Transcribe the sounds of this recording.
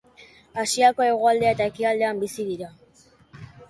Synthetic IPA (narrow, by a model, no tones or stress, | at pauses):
asiako̞e̞ɣ̞o̞ald̪eaet̪ae̞kiald̪e̞ambisiðiɾa